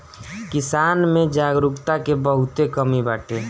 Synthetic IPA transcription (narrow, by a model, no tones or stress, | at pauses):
kɪsaːnmẽd͡ʒaːɡɾʊkt̪akebəɦʊt̪ekəmibaːʈʰe